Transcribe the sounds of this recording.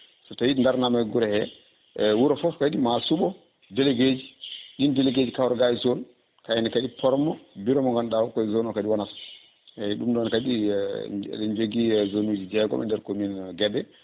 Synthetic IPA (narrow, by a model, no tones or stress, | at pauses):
sɔtajindaɾnamajɡuɾɛhɛ | wuɾɔfɔfkaɗimasuɓɔ | dɛleɡed͡ʒiʔindɛleɡed͡ʒikawɾɔɡajsɔn | kajɛnɛkaɗipʰɔɾmɔbiɾɔmɔŋɡanɗawɔkɔzɔnɔkaɗiwanas | ɛɗumɗɔnkaɗḭ | ɛɲd͡ʒoɡizonud͡ʒid͡ʒɛɡɔ̰mɛ̰ndɛɾkominɡɛdɛ